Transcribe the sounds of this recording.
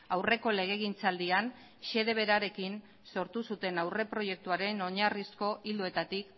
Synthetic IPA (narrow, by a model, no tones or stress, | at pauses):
awre̞ko̞le̞ɣ̞e̞ɣ̞int͡sald̪ian | ʃe̞ðe̞βe̞ɾaɾe̞kin | so̞ɾt̪usut̪e̞nawre̞pɾo̞je̞k̚t̪uaɾe̞no̞ɲarisko̞ʔild̪oe̞t̪at̪ik